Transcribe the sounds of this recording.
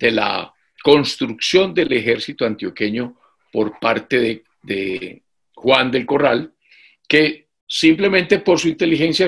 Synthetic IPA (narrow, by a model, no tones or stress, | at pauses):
d̪̥e̞la̰ | ko̞nst̪ɾuksjo̞nd̪elexeɾsit̪oant̪jo̞ke̞ɲo̞ | po̞ɾpaɾt̪eðe | d̪ḛ | xwand̪e̞lko̞ral | ke̞ | simple̞mẽnt̪e̞po̞ɾs̬uint̪e̞lixe̞nsja